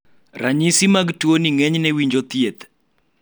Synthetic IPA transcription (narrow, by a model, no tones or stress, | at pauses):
raɲisimaɡtwoniŋɛɲnɛwiɲd͡ʒot̪jet̪